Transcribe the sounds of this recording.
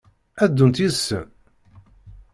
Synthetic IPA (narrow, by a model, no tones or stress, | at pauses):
æd̪ːunt̪iðsːə̰n